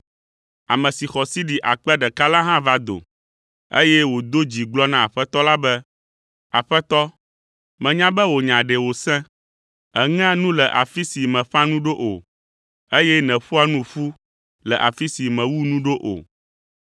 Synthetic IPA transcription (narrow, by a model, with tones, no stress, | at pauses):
a˨mɛ̃˨si˨xɔ˨si˦ɖi˨ʔa˨k͡pɛ˦ɖɛ˨ka˦lã˦ɦã˦va˦d̪o̰˨ | ḛ˦jɛ˦wo˨d̪o˦d͡ʑi˨ɡ͡blɔ˦nã˦a˨ɸɛ˦t̪ɔ˦la˦bɛ˦ | a̰˨ɸɛ˦t̪ɔ˦ | mɛ̃˨ɲã˦bɛ˦wo˨ɲã˨ɖɛ˨wo˨sɛ̃˦ | ɛ˨ŋɛ̃˦a˦nũ˦lɛ˨ʔa˨fi˦si˨mɛ̃˨ɸã˦nũ˦ɖo˦ʔo˨ | e˦jɛ˦nɛ̃˨ɸu˦a˦nũ˦ɸu˦ | lɛ˨ʔa̰˨fi˦si˨mɛ̃˨wu˦nũ˦ɖo˦ʔo̰˨